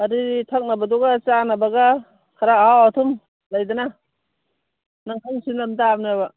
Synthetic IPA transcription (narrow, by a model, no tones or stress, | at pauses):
aɾitʰak̚nabad̪ɔɡat͡ʃanabaɡa | kʰaɾaaat̪ʰum | lajd̪ana | naŋtʰaŋsinamd̪aːmniaba